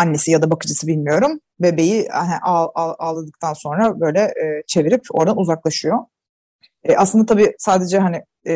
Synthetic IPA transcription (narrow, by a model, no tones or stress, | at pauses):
anːe̞sijad̪abakɯd͡ʒɯsɯbilʲmijo̞ɾum | vɛbe̞jianɛʔaaalˠad̪ɯk̚t̪ʰanso̞nɾabø̞jlʲɛʔːt͡ʃʰe̞viɾipo̞̰ɾd̪anuzaklˠaʃɯjo̞ | ʔaslɯnd̪at̪abiːsaːd̪e̞d͡ʒɛɦanɪ